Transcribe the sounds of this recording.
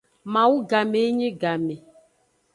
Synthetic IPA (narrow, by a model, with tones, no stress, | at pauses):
mã˨wu˦ɡa˨me˨˦ɲĩ˦ɡa˨me˨